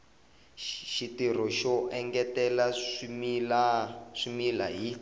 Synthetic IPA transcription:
ʃitir̤ɔʃɔʔɛŋɡɛtɛlamlaʂimilaɦi

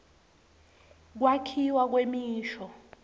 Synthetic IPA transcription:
k̬wakʰiwak̬wemiːʃɔ

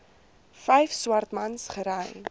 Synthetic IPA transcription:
fɛjfswɐrtmɐnsχəɾɛjn

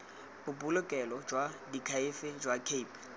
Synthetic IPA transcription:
ʊbʊlʊkʼɛlɔd͡ʒwadikʰaɪfɪd͡ʒwakʰeipʰ

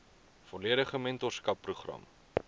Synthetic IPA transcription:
fɔliəɾəχəmɛntɔrskɐpːruχrɐ̰m

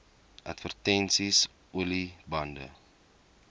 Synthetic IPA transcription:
ʔɐtfərtɛnsis | ulibɐndə̰

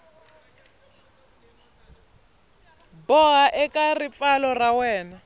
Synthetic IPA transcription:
bɔɣaʔɛkʼarip̪falɔrawɛːna

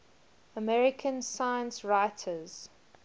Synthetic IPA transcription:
əmɛɹɪkʰə̃nsaɪə̃nsɹaɪtʰəz̥

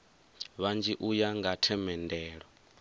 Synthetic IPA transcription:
βand͡ʒiʔujaŋɡatʰɛmɛndɛːɺɔ

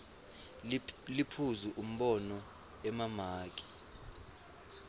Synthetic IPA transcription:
lipʰuzuʔum̩ɓɔnɔ | ɛmamaːk̬ʼi̥

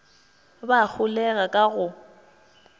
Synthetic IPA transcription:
bak͡xʰʊlɛɣakʼaɣʊ

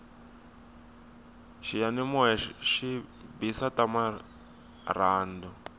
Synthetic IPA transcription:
ʃijanimɔɦɛʃibisatama | raːndɔ

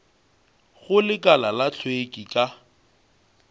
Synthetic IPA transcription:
ɣʊlɪkʼalalat͡ɬʰwekʼikʼa

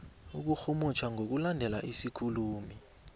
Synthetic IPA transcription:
uk̬uxumut͡ʃʰwaŋʱok̬ulandʱɛla̰ʔisikʰuluːmi

